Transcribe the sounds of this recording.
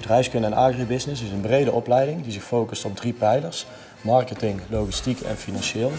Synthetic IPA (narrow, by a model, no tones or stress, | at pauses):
bədrɛjfskɵndɛnaːɡribɪsnɪsɪsənbrejdəʔɔplɛjdɪŋdizɪxfowkəstɔmdripɛjləɹs | mɑɹkətɪŋlowɣistikɛ̰nfinɑnʃɪːlˠ